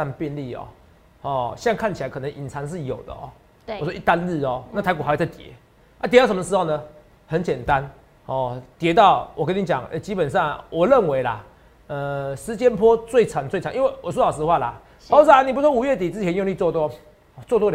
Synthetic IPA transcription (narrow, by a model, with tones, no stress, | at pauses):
a˥˧npjɛ˥˧nli˥˩ɔ̰˨˩ | hɔ˥˧ɕjŋkʰa˥˩nt͡ɕʰi˨la˧ɪkʰɤ˨˩nə˧˦ŋʔi˨˩nt͡sʰa˧˦ŋʂ̬ɻ̩˥˩jo˨˩ʊd̪ə̰˦ʔɔ̰˨˩˨ | swɔ˥˦i˥˩t̪a˦˧nl̩˥˩ɔ˨˩na˥˩t̪ʰa˧˥ɪku˨˩a˧˥˧t͡sa˥˩t̪jɛ̰˨˧˦ | ʔa˥˦t̪jɛ˧˥t̪ʂə˧˦mə˧ʂ̬ɻ̩˥ho˥˧ʊnə˨ | hə˨˦nt͡ɕjɛ˨˩nt̪a˦n | hɔ˥˨˩t̪jɛ˧˦t̪ɑ˥˨˩ʊwɔ˨˩kə˦ni˧˦t͡ɕja̰˨˩ŋʔɛ̰˦˧t͡ɕi˦˥pə˨nʂɑ˥˩ŋwɔ˨˩ɻə˥˨˩nwe˧˦ɪla̰˨˩ | ə˨˩ʂɻ̩˧˦t͡ɕjɛ˦npʰwɔ˦˥t͡swe˥˩ɪt͡sʰa˨˦ŋt͡swɪt͡ɕʰŋʔi˦we˥˩ɪwɔ˨˩s̬wɔ˦˥˩ɑ˨˩s̬̩˧ə˧xwa˥˩la̰˨˩ | o˥˧ʊs̩˧˥a˩ni˨pu˧˥swɔ˥u˨˩ɥɛ˥˩t̪i˨˩t͡sɹ̩˥˧t͡ɕʰjɛ˧˦njo˥˧ŋli˥˧˨t͡swɔ˥˧t̪̬wɔ˦ | ɔ˨˩t͡swɔ˥˧t̪wɔ˥˨